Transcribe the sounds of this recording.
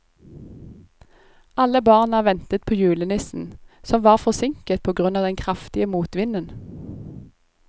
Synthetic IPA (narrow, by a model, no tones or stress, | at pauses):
ɑləbɑːʁnɑʋɛnt̪ət̪̚pʰoːjʉːlənɪsn̩sɔmʋɑːʁfɔʁsɪŋkət̪̚pʰoːɡʁʉnɑːd̪ɛnkʰʁɑft̪ɪəmuːt̪ʋɪnən